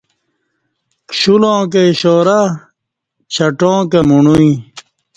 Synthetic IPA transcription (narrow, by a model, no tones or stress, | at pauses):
kɕulõːk̬eɕoːɾa | t͡ɕʰɐʈõːkemuɳuĩ